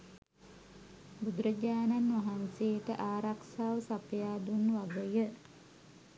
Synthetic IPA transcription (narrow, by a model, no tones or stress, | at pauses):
bud̪ɾəɟaːnanʋaɦanseːʈəʔaːɾaksaːʋəsapjaːd̪unʋaɡəjə